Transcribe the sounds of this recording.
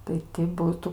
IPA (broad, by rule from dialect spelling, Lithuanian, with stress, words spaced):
tɐɪ tʲɪ ˈbuːtʊ